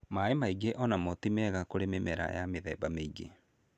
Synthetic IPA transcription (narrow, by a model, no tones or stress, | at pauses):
maemaiɡeʔɔnamɔtimɛɣakoɾememɛɾa̰jameðɛːbameiɡḛ